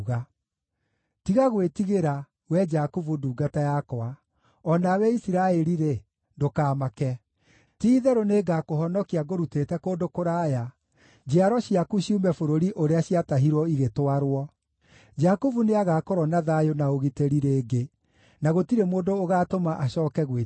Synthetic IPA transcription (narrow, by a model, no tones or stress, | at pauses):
ɣa | tiɣaɣwetiɣeɾa | wɛd͡ʒakuvuduːɡatajakɔa | ɔnawɛisiɾaɛɾiɾe | ndokaːmakɛ | tiːðɛɾoneːɡakoɦɔnɔkiaɡoɾuteːtɛkoːndokoɾaːja | d͡ʒeaɾɔɕiakuɕiumɛfoɾoɾiʔoɾeaɕiataɦiɾwɔiɣetowaɾwɔ | d͡ʒakuvuneaɣaːkoɾɔnaðajonaoɣiteɾiɾeːɡe | naɣotiɾemoːndoːɣaːtomaʔaɕɔːkɛɣwe